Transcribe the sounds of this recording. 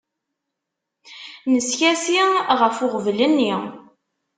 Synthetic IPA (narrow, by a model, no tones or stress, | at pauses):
nəsçæsiʁəfʊʁvlənːi